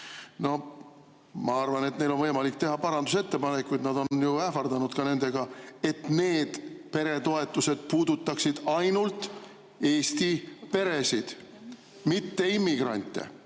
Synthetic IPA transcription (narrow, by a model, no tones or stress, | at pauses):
no̞ | mɑɑrvɑne̞t̪ne̞jlo̞nvɤjmɑlikt̪e̞ɦɑpɑɾɑnd̪use̞t̪ːe̞pɑnekkːujd̪nɑd̪̥o̞nnjuæfɑrd̪ɑnud̪̥kɑne̞nd̪e̞ɡ̥ɑe̞t̪ne̞ːd̪̥pe̞ɾe̞t̪o̞e̞t̪ːˑuse̞d̪̥̚puːd̪ut̪ːɑksid̪̥ɑjnult̪ˑ | e̞ːst̪ipe̞ɾe̞sid̪̥ | mit̪ːe̞imːiɡ̥rɑ̰nʲt̪ːˑḛ